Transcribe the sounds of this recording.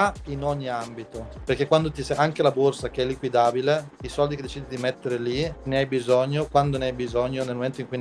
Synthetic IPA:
inɔɲːiambit̪operkekːwand̪ot̪isaŋkelaborsakeɛlːikwid̪aːbileisɔld̪iked̪ːet͡ʃiːd̪id̪imet̪ːeɾelineajbizɔɲːokwand̪oneajbizɔɲːonelmoment̪oiŋkujn

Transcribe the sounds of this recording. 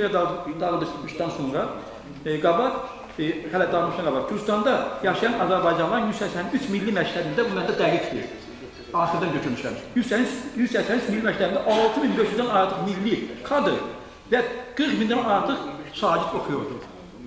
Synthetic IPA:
jɑd̪d̪ɑɣɯlˠd̪ɯɾʃmɯʃd̪ɑnso̞ŋɾɑ | ɡɑbɑ | hælæd̪ɑʁlmɯʃt̪ɑŋɡɑbɑɾd͡ʒyɾst̪ɑnd̪ɑjɑʃijɑnɑzæɾbɑjd͡ʒɑnlˠɑɾnjyzsæjsænyt͡ʃʰmilːimæcʰt̪ʰæbind̪æbumænd̪æd̪æɡik̪ʰd̪ḭ | ɑːχɯɾd̪ɑnd͡ʒøt͡ʃʰyɾmyʃæ̰mjyzsænyjyz̥sæçsænyt͡ʃʰmilːimæct̪ʰæbind̪æʔɑlˠt̪ʰɯminbeʃjyzd̪ænɑɾt̪ʰɯχmilːikʰɑd̪ɯɾ | væɡ̥ɯɾχmind̪ænɑɑɾt̪ʰɯqsɑːd͡ʒit̪o̞χʰujoɾd̪u

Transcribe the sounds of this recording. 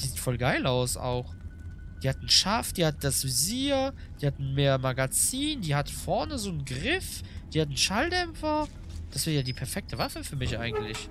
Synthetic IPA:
iziːtfɔlɡaɪlaʊsa̰ʊxd̥iːhatn̩ʃafd̥iːhatd̥asviziːɐ | d̥iːhatn̩meːɐmaɡat͡siːnd̥iːhatəfɔɐnəzoːnɡʁɪfd̥iːhatn̩ʃaldɛmfɐ | d̥asv̥ɛːɐjaːdiːpʰɛɐfɛk̚tʰəvafəfyːɐmɪçʔa̰ɪɡŋ̩tlɪç

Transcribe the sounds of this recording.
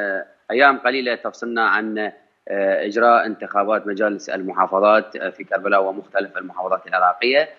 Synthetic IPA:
ʔajːaːmqaliːlat̪ɑfsˤɨlnaʕa̰n | ʔɪd͡ʒɾˤɑːʔɪnt̪ɪxaːbaːt̪mad͡ʒaːlɪsɪ̰lmʊħɑːfɑðˤɑːt̪fikɑɾˤbalawamʊxt̪alafɪlmʊħɑːfɑðˤɑːt̪alʕɪɾˤɑːqɪjːa

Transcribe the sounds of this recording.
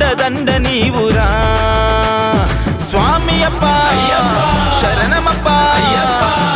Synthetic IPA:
ɖɐd̪ɐɳɖɐniʋʊɾaː | sʋaːmijɐpːaːjaː | ʃɐɾɐnɐmɐpːaːja

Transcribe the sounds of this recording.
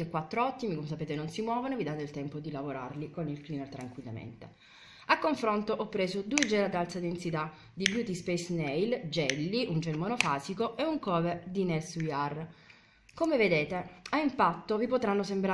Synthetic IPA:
ekːwat̪ːɾoɔt̪ːimikomesapeːt̪enonsimwɔːvonovid̪at̪eilt̪ɛmpod̪ilavoɾa̰rlikonilklinert̪ɾa̰ŋkwilːa̰mḛnt̪ḛ | akːoɱfɾont̪oʔɔpːɾeːzod̪ued͡ʒɛːlad̪alt̪sad̪ensit̪a | d̪ibjuːt̪ispɛjsnɛjld͡ʒɛlːiʔund͡ʒelmonofaːsikoʔeuŋkɔːved̪inɛsujar | komeved̪eːt̪eaimpat̪ːovipot̪ɾanːosembɾa

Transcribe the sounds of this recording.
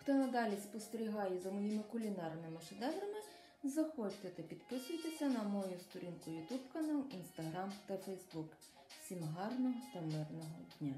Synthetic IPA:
xt̪ɔnɐd̪ɑlʲɪspɔst̪eɾʲiɦɑjɛzɐmɔjimɪkʊlʲinɑrnɪmɪʂɛd̪ɛvɾɐmɪ | zɐxɔt͡ʃt̪et̪ɐpʲid̪pɪsʊjt̪esʲɐnɐmɔjust̪ʊɾʲinkʊjʊt̪upkɐnalˠinst̪ɐɣɾamt̪ɐfɛjzbuk | sʲimɦɑrnɔɦɔt̪ɐmɪrnɔɦɔd̪ʲnʲa

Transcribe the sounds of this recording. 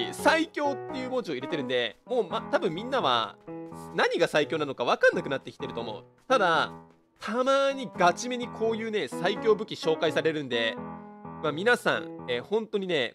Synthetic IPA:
saikʲo̞ːt̪ːejɯ̟ːmo̞ːt͡ɕio̞iɾe̞t̪e̞ɾɯ̟nd̪e̞mo̞ːmat̪abɯ̟̃mːʲĩnːaβa̰ | naɲ̟iɡasaikʲo̞ːnano̞kaβ̞akãnːakɯ̟nat̪ːekʲi̥t̪eɾɯ̟t̪o̞ːmo̞̰ɯ̟ | t̪ad̪a | t̪ʰamaːɲ̟iɡat͡ɕime̞ɲ̟ikʰo̞ːjɯ̟ːne̞saikʲo̞ːbɯ̟kʲiɕo̞ːkaisaɾe̞ɾɯ̟̃nd̪e̞ | mamʲinasã̰ɴ̃ehõ̞nt̪o̞ɲ̟ine̞

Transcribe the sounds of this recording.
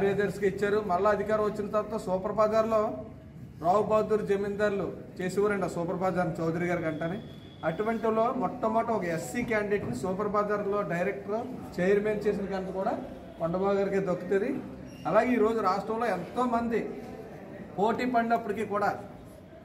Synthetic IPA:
aːɾijaːd̪ɐɾskiit͡ʃːaːɾumɐlːɐɐd̪ʱikaːɾɐ̃ʋɐt͡ʃːinɐt̪ɐɾaɐt̪oːsuːpɐɾɐpaːd̪aːɾlo̞ː | ɾaːwubaːd̪uːɾud͡ʒemind̪aːɾlut͡ʃe̞ːsɛʋaːɾɐɳɖasuːpɐɾɐpaːd̪aːɾnut͡ʃɐwd̪ɐɾiɡaːɾikɐɳʈaːni | ɐʈuʋɐɳʈilo̞ːmɔt̪ːɐmːaːʈɐɔkɐesːiːkaːɳɖɖeːʈnisuːp̬ɐɾɐpaːd̪aːɾlːo̞ːɖɐjɾek̚ʈɐɾot͡ʃejɐɾmeːnt͡ʃe̞ːs̬ind̪ɐkɐnkɐkuːɽaː | koɳɖɐbaːɡaːɾikeːd̪okːut̪ɐd̪i | ɐlaːɡeiːɾo̞ːd͡ʒuɾaːʂʈɾɐmlo̞ːent̪o̞ːmɐnd̪i | poːʈiːpɐɳɖɐpːuɽikiːkuːɽaː

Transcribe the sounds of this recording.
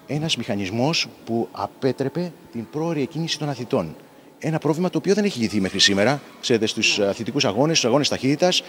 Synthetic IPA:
e̞nɐzmixɐnizmo̞spuɐ̰pe̞t̪ɾe̞pe̞t̪impɾo̞ːɾiecinisi̥t̪o̞nɐθit̪o̞n | e̞nɐpɾo̞vlimɐt̪o̞ːpioðe̞ne̞çiʝiθime̞xɾisime̞ɾɐ | kse̞ɾe̞t̪e̞st̪usɐθit̪ikusɐɣo̞nest̪usɐɣo̞ne̞st̪ɐçit̪it̪ɐs

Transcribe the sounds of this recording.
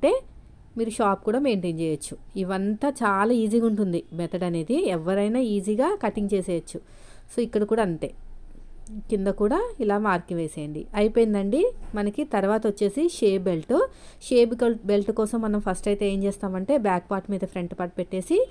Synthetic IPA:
ɐɳʈe̞ː | miːɾuʃaːp̚kuːɽaːme̞ːɳʈeːɲt͡ʃɛːjɐt͡ʃːuiʋɐnt̪at͡ʃaːlaːiːziɡauɳʈund̪imɛt̪ɐɖɐne̞ːd̪iɛʋːɐɾɐjnaːiːziːɡaːkɐʈiŋɡt͡ʃeːseːjɐt͡ʃːu | so̞ːikːɐɽɐkuːɽaːɐnt̪eː | kind̪ɐkuːɽaːilaːmaːɾkiŋʋeːseːjɐɳɖḭɐjpoːjind̪ɐɳɖimɐnɐkit̪ɐɾʋaːt̪ɐot͡ʃːe̞ːsiʃeːbelʈu | ʃeːbikɐlbelʈkɔːsɐmːɐnɐmpʰɐsʈɐjt̪e̞eːmt͡ʃɛːst̪aːmɐɳʈe̞ːbjaːk̚paːɾʈmiːd̪ɐpʰɾe̞ɳʈpaʈ̚peʈːe̞ːsi

